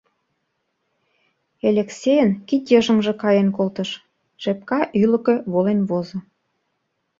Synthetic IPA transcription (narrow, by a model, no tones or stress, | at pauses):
elʲeksʲejənkit̪jə̆ʒə̆ŋʒĕkɑjenkolt̪ə̆ʃ | ʃep̚kɑʔylə̆kĕβolenβozɤ̆